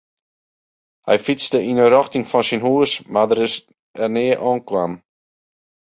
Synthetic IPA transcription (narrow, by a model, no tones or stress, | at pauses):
hɛ̰jfit͡sdəinəɾɔxtɪŋfɔnsinɦuəsmadəɾɪs | ɛrnɪəʔɔːnkwam